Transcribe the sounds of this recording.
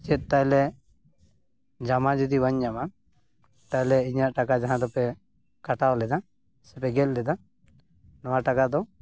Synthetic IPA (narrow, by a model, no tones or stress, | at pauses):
t͡ʃɛt̪̚ˀt̪ajlɛ | d͡ʒamad͡ʒɔd̪ibaɲd͡ʒama | t̪alɛiɲaʔʈakad͡ʒaɦãd̪ɔpɛ | kaʈawlɛd̪a | sɛpɛɡɛl̚ˀlɛd̪a | nɔwaʈakad̪ɔ